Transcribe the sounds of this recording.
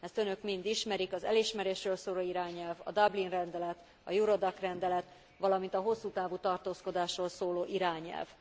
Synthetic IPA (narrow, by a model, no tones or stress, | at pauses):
ɛst̪ø̞nø̞kmind̪iʃmɛɾikɒzɛ̰liʃmɛɾeːʃrøːlsoːloːiɾaːɲɛlvɒ̰d̪ɒblinrɛnd̪ɛlɛt̪ | ɒjuɾo̞d̪ɒkrɛnd̪ɛlɛt̪ | ʋɒlɒmint̪ɒɦo̞sːuːt̪aːvut̪ɒrt̪oːsko̞d̪aːʃroːlsoːloːʔiɾaːɲɛ̰lv